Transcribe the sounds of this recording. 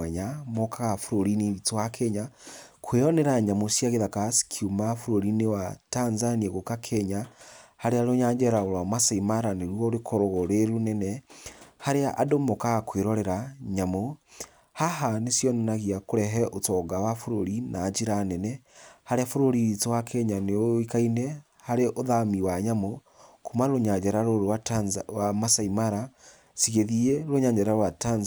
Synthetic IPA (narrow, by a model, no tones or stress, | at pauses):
ɛɲamokaɣafoɾoɾiniɾitoakʰɛɲakʰweɾɔnɛɾaɲamosjaɣeðakasi̥kʰiumafuɾoɾinewatanzaniaɣokakʰɛɲahaɾeaɾoɲaːɲd͡ʒɛɾaoɾwamasaimaɾaneɾwɔoɾekʰɔɾoɣoɾeɾunɛnɛhaɾeaʔadomokaɣakweɾɔɾɛɾaɲamo | haɦanesjɔnɔnaɣiakoɾɛɦɛʔotɔɡawafoɾoɾinaːd͡ʑiɾanɛnɛhaɾeafoɾoɾiitowakʰɛɲaneoikainɛ | haɾeʔoðamiwaɲamo | komaɾoɲaɲd͡ʒɛɾaɾoɾowawamasaimaɾa | siɣeðiɛɾoɲaɲd͡ʒɛɾaɾwatanz